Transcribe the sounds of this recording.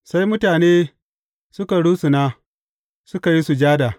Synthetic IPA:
sa˦jmʊ˦taː˨neː˦ | sʊ˦ka˨ɽuː˦su˨naː˦ | sʊ˦ka˨ji˦su˨d͡ʒaː˦da˨

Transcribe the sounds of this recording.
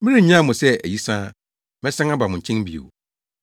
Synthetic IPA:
mĩ˦ɾĩ˦˨ɲã˦˨mʊ̃˨sɛ˦æ˨ji˦sãː˦ | mɛ̃˦sã˦ŋa˦ba˨mʊ̃˨ɲ̩˨t͡ɕʰɪ̃˦n˦bḭ˨o̰˨

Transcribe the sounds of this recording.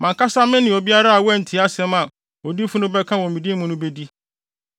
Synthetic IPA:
mã˨ŋkʰa˦sa˦mɪ̃˦nɪ̃˨o˨bi˦a˦ɾa˦a˨wɛ˦n̩˨tʰɪ˨˦a˦sɛ̃˦mã˨ | o˨di˦fʊ˦nʊ̃˦bɛ˦kʰã˦wɔ̃˨mĩ˨di˦mũ˦nʊ̃˦be˦di˦

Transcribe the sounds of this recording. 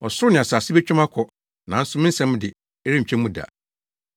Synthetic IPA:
ɔ˨sʊ˦ɾʊ˦nɪ̃˨a˨saː˨sɪ˦bɛ˦t͡ɕᶣʊ̃˦mã˦kʰɔ˨ | nã˨n̩˦sʊ˦mɪ̃˦n̩˦sɛ̃˦m˦dɪ˨ | ɛ˦ɾɪ˦ɲ̩˨t͡ɕᶣʰɛ̃˦m˦mũ˦da̰˨

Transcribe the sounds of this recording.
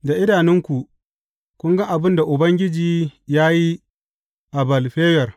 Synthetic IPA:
da˨ʔɪ˦daː˨nɪ˦ŋkʷu˨ | kʷʊ˦ŋɡɐ˦ʔa˨bɪ˦nda˨ʔʊ˨bɐ˦ŋɡʲɪ˦d͡ʒiː˨jaː˦ji˦ | ʔa˨bɐ˨lɸeː˦jɐ˨r

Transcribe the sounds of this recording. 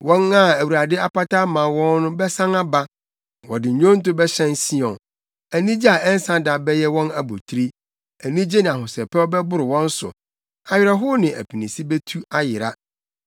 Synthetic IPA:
wɔ̃˦na˦æ˨wu˨ɾa˨dɪ˦a˦pa˦ta˦mã˨wɔ̃˦nːʊ̃˦bɛ˦sã˦ŋa˦ba˦ | wɔ˨dɪ˨ɲ̩˨ɲᶣõ˦n̩˦tʊ˦bɛ˦ɕɛ̃˦n˦si˦ɔ̃˨n | æ˨nĩ˦d͡ʑi˦a˨ɛ˦n̩˦sã˦da˨bɛ˦jɛ˦wɔ̃˦na˨bo˨tʰɾi˦ | æ˨nĩ˦d͡ʑe˦nɪ̃˨a˨hʊ˨sɛ˨pʰɛ˦ɔ˦bɛ˦bʊ˦ɾɪ˨wɔ̃˦n̩˦sʊ̰˨ | a˨ɥɪ˨ɾa˦ɦʊ˦nɪ̃˨ʔæ̰˨pʰi˨nĩ˨si˦be˦tʰu˦a˦jɪ˨ɾa˦

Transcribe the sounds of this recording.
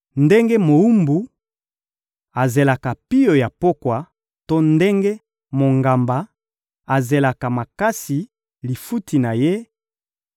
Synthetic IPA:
nde˦ŋɡe˦mo˨u˦mbu˨ | a˨ze˨la˨ka˨pi˦jo˨ja˨po˦kwa˨ | to˦nde˦ŋɡe˦ | mo˨ŋɡa˨mba˨ | a˨ze˨la˨ka˨ma˨ka˦si˨ | li˨fu˦tʰi˨na˨je˦

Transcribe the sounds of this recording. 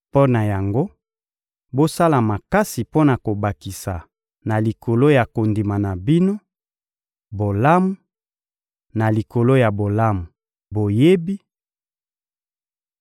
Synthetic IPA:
po˦na˨ja˨ŋɡo˦ | bo˦sa˦la˨ma˨ka˦si˨po˦na˨ko˨ba˨ki˨sa˨ | na˨li˨kʰo˨lo˦ja˨ko˨ndi˨ma˨na˨bi˦no˦ | bo˨la˦mu˦ | na˨li˨ko˨lo˦ja˨bo˨la˦mu˨ | bo˨je˦bi˦

